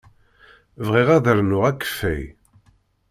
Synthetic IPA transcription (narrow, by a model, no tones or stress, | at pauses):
vʁiʁæðəɾnʊʁækːə̥fːæ̰j